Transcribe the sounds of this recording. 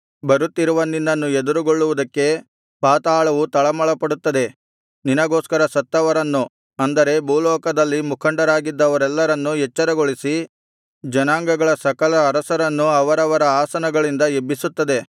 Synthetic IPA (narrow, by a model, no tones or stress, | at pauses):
bɐɾut̪ːiɾuʋɐnːinːɐnːued̪uɾuɡoɭːuʋud̪ɐkːe̞ | paːt̪aːɭɐʋut̪ɐɭɐmɐɭɐpɐɽut̪ːɐd̪e̞ | ninɐɡoːskɐɾɐsɐt̪ːɐʋɐɾɐnːu | ɐnd̪ɐɾe̞buːlɔːkɐd̪ɐlːimukʰɐɳɖɐɾaːɡid̪ːɐʋɐɾɛlːɐɾɐnːuɦɛt͡ʃːɐɾɐɡoɭisi | d͡ʒɐnaːŋɡɐɡɐɭɐsɐkɐlɐːɾɐsɐɾɐnːuɐʋɐɾɐʋɐɾɐaːsɐnɐɡɐɭind̪ɐebːisut̪ːɐd̪e̞